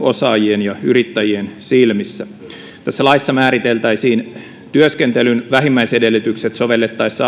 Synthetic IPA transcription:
osɑːjienjɑyrit̪ːæjiensilmisːæ | t̪æsːælɑisːɑmæːɾit̪elt̪æisiːn | t̪yøskent̪elynʋæɦimːæisedelːyt̪ykset̪so̞ʋe̞lːet̪ːɑisːɑ

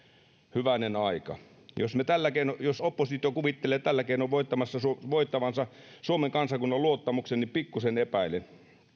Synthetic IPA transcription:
hyʋænenɑikɑ̰ | jo̰smet̪ælːækeinojosopːosit̪iokuʋit̪ːeleːt̪ælːækeinoʋʋoit̪ːɑmɑsːɑsuoʋoit̪ːɑʋɑnsɑsuomeŋkɑnsɑkunːɑluot̪ːɑmuksennipikːusenepæilen

